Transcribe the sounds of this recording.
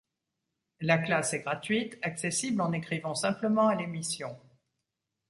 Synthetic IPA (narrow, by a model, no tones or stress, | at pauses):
laklasɛɡʁat̪ɥit̪aksesiblɑ̃nekχivɑ̃sɛ̃pləmɑ̃alemisjɔ̃